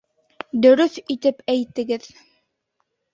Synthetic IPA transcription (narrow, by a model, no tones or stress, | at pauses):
d̪ɵ̆ɾɵθit̪ɘpæjt̪ɘ̆ɡɘð